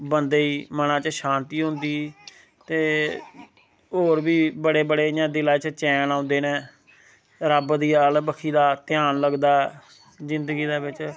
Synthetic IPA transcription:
bənd̪eːiːmənãːt͡ʃəʃãːnt̪iːɦʊ̃nd̪iː | t̪eː | ɦoːɾbiːbəɽeːbəɽeːjãːd̪ɪlaːt͡ʃət͡ʃɛːnãːʊ̃nd̪eːnẽː | ɾəbd̪iːaːlbəkʰiːd̪aːt̪ɪjaːnləɡd̪aː | zɪ̃nd̪əɡiːd̪aːbɪt͡ʃ

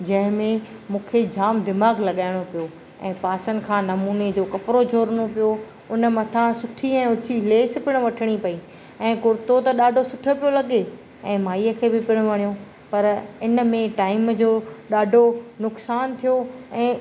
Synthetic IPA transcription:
d͡ʑɐ̃ɦɪ̃mẽ | mũːkʰed͡ʑaːmd̪ɪmaːɡlɐɠaːɪɽ̃opijo | ɛ̰̃ːpaːsən̆kʰãːnɐmuːned͡ʑoːkɐpɾod͡ʑʱoːɾəñopijo | ʊnə̆mɐt̪ʰãsʊʈʰiɛ̃ːʊt͡ɕʰileːspɪɽ̃ʊ̆ʋɐʈʰəɽ̃ipɐi | ɛ̃ːkʊɾt̪ot̪ɐɗaːɖʱosʊʈʰjopijolɐɠe | ɛ̃ːmaːiːəkʰeːbɪpɪɽ̃ʊʋɐɽijo | pɐɾɪnə̆mẽʈaːɪmd͡ʑoːɗaːɖʱonʊksaːnt̪ʰijoɛ̃ː

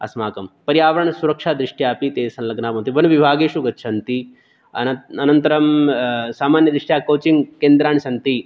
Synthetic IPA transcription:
ɐ̰smaːkɐmpɐɾjaːʋɐɾɐɳsuɾɐkʂaːd̪ɾɪʂʈjaːpit̪eːsɐnlɐɡnaːmɐ̃ːnt̪iʋɐnʋibʱaːɡeːʃuɡɐtːʃʰɐnt̪i | ɐnɐnt̪ɐɾɐmsaːmaːnjɐd̪ɾiʂʈjaːkoːt͡ʃiŋɡkeːnd̪ɾaːɳsɐnt̪i

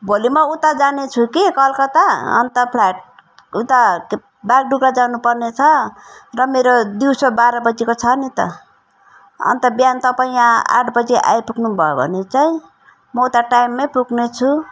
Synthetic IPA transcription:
bʱolimʌut̪ad͡zanet͡sʰukikʌlkʌt̪aʌ̰nt̪ʌpʰlajʈ̚ | ut̪a | baɡ̚ɖuɡɾad͡zanupʌrnet͡sʰʌrʌmeɾod̪iwsʌbaɾʌbʌd͡zekot͡sʰʌnit̪ʌ̰ | ʌ̰nt̪ʌbjant̪ʌpaĩãa̰ʈʰbʌd͡zeʔa̰jpuknubʱʌjobʱʌ̰net͡saĩ | mʌut̪aʈajmːepuɡnet͡sʰu

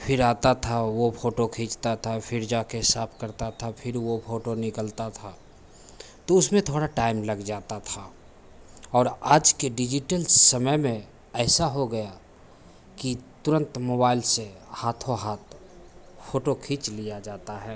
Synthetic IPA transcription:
pʰɪɾaːt̪at̪ʰaʋopʰoːʈokʰĩːt͡ʃt̪at̪ʰapʰɪɾd͡ʒaːkeɦɪsaːp̚ʰkəɾt̪at̪ʰapʰɪɾʋopʰoːʈonɪkəlt̪at̪ʰa | t̪oʊsmẽt̪ʰoːɽaʈaːɪmləɡd͡ʒaːt̪at̪ʰa | ɔːɾaːd͡ʒkeɖɪd͡ʒɪʈəlsəməjmẽ | ɛːsaɦoɡɐja | kit̪ʊɾə̃nt̪moːbaːɪlsehaːt̪ʰoɦaːt̪̚ʰ | pʰoːʈokʰĩːt͡ʃlijad͡ʒaːt̪aɦɛː

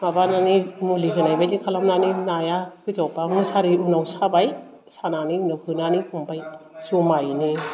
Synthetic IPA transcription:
mabananimuliɦɯnajbajdikʰalamnaninajakɯzawpanusaɾiunawsabaj | sananiunawkʰɯnanikumbajt͡ʃumajni

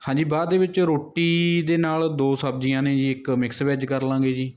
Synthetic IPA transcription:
hãːɲd͡ʒiːbaːd̪ːeːʋɪt͡ʃɾoːʈːiːd̪eːnaːld̪oːsəb̚d͡ʒijãːnẽːd͡ʒiːɪkmɪksʋɛːd͡ʒkəɾlãːɡeːd͡ʒiː

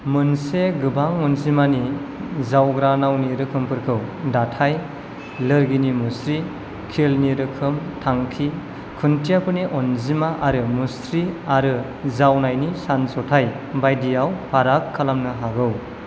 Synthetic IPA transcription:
mɯnseɡɯbaŋɔnzimanizawɡɾanawniɾɯkʰɯmpʰɯɾkʰɯwdatʰaj | lɯɾɡinimusɾi | kʰelniɾɯkʰɯmtʰaŋkʰi | kʰuntʰijapʰɯniʔɔnzimaʔaɾɯmusɾiaɾɯ | zawnajnisansɔtʰaj | bajdijawpʰaɾakʰːalamnɯɦaɡɯw

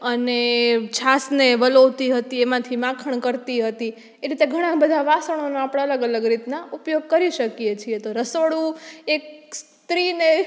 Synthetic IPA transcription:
ənet͡ʃʰasneʋəloʋt̪iɦət̪iemãt̪ʰimãkʰəɳ̃kəɾt̪iɦət̪i | eɾit̪eɡʱəɽ̃ãbəd̪ʱaʋasəɽ̃onoapəɽaələɡələɡɾit̪naupjoɡ̚kəɾiʃəkijet͡ʃʰiet̪oɾəsʋəɽũek̚s | t̪ɾine

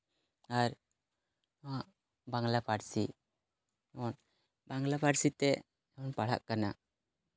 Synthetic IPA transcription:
aɾ | aʔ | baŋlapaɾsi | ɔn | baŋlapaɾsit̪ɛ | ɔnpaɽ̤a̰ʔkana

